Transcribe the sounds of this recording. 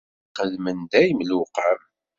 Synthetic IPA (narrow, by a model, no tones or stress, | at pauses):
qəðmənd̪æjəmluqəɾ